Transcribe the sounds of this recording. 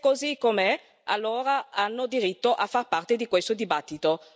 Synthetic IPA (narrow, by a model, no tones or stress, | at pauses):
kozikːomɛ | alːoːɾaanːod̪iɾit̪ːoʔafːarpart̪ed̪ikwest̪od̪ibat̪ːit̪o